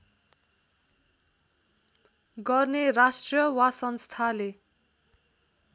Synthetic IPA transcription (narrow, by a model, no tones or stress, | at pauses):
ɡʌrnerasʈrjʌwasʌnst̪ʰale